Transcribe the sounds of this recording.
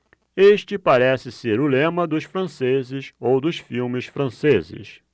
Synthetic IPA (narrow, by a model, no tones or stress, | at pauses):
eʃt͡ʃɪpaɾɛsɪseɾʊlẽmɐd̪ʊʃfɾɐ̃sezɪsowd̪ʊsfiwmɪsfɾɐ̃sezɪ̰s